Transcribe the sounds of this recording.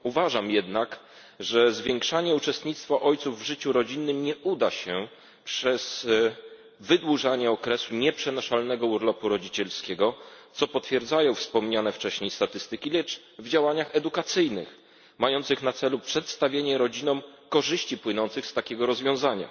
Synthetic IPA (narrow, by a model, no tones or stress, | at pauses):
uvaʐamjɛd̪nak | ʐɛzvʲjeŋkʂaɲɛut͡ʂɛst̪ɲit̪st̪faʔɔjt̪suvːʐɘt͡ɕuɾɔd͡ʑinːɘmɲɛʔud̪aɕɛ | pʂɛz̥ | vɘd̪wuʐaɲɛɔkɾɛsuɲɛpʂɛnɔʂalnɛɡɔuɾlɔpuɾɔd͡ʑit͡ɕɛlskʲɛɡɔt̪sɔpɔt̪fʲjɛɾd̪zajɔ̃w̃fspɔmɲanɛft͡ʂɛɕɲejst̪at̪ɘst̪ɘkʲilɛt͡ʂ | vd͡ʑawaɲaxɛd̪ukat̪sɘjnɘ̰x | majɔnt̪sɘxnat̪sɛlupʂɛt̪st̪avʲjeɲɛɾɔd͡ʑinɔ̃mkɔʐɘɕt͡ɕipwɘnɔnt̪sɘxst̪akʲɛɡɔɾɔzvʲjɔ̃w̃zaɲa̰